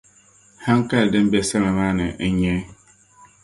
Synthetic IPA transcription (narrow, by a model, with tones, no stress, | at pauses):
ha˦ŋ˦ka˦˨dɨ˦m˦bɛ˦sa˦ma˨ma˦nɨ̰˨ʔɲɛ˦